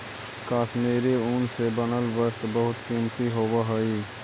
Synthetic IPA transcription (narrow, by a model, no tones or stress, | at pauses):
kaːsmeːɾiʊnsebənəlʋəst̪bəɦʊt̪kiːmt̪iɦoːbaɦoiː